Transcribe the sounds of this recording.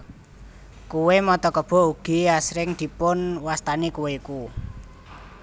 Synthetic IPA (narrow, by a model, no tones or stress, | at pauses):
kuwemɔt̪ɔkəb̥ɔ̤uɡ̥iasɾɪŋd̪̥i̤pʊnwast̪anekuweku